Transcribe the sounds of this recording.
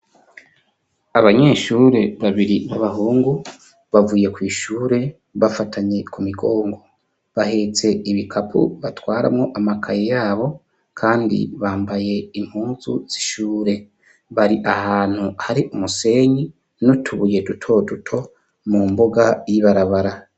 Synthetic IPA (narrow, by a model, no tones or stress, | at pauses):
aβaɲe̞ːʃuːɾe̞βaβiɾiβaβaɦuːŋɡu | βavuːje̞kwiːʃuːɾe̞ | βafataɲe̞kʰumiɡo̞ːŋɡo̞ | βahe̞t͡se̞iβikʰapʰṵβatwaːɾa̰mŋo̞ʔamakʰajejaːβo̞ | kʰaːndḭβaːmbaje̞im̥huːzṵz̥i̥ʃuːɾe̞ | βaɾiʔahaːn̥huhaɾiʔumuse̞ɲi | nutʰuβuje̞dutʰo̞dutʰo̞ | mumbo̞ɡajiβaɾaβaɾa